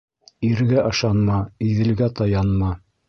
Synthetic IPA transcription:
iɾɡæʔɤ̆ʃɑnmɑiðɘ̆lɡæt̪ɑjɑnmɑ

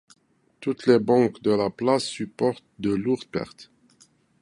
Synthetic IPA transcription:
t̪ut̪lebɑ̃kd̪əlaplasːypɔʁt̪̚d̪əluʁd̪̚pɛ̰ʁt̪

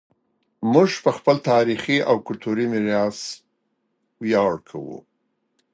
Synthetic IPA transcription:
muʒpəxpəlt̪ɑɾixiawkʊlt̪uɾimiɾɑs | wijɑɽkʰawṵ

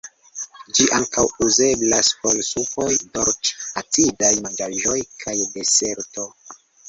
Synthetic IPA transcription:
d͡ʒiʔaŋkawuze̞blaspolsuko̞jdoɾt͡ʃatidajmand͡ʒaʒojkʰajdese̞ɾto̞

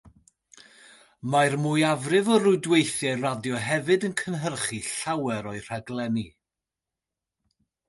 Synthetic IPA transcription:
majrmuːjavrɪvɔrʊjdwejθjɛradjɔɦɛvɨdənkʰənɦərχiɬawɛɾɔɨr̥aɡlˠɛni

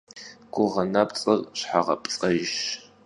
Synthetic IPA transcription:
ɡ̥ʷʊʁɐnɐpʼt͡sʼɨrɕħaʁɐ̰pʼt͡sʼɐjɪʃ

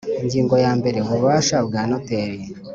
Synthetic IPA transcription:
iɲɟiːŋɡo̞jaːmbe̞ɾe̞βuβuβaːʃabɡaːnoteːɾje

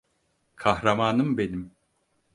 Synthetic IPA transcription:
kʰahɾamaːnɯmbe̞nim

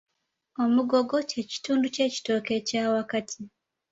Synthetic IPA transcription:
o̞muɡo̞ɡo̞ce̞ci̥tuːnduce̞ci̥to̞ːke̞caːwakatʰi

